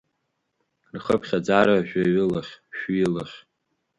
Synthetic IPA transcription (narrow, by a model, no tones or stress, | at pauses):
rχəpʰχʲad͡zaɾaʒᶣʷaɥɨlaχʲʃilaχʲ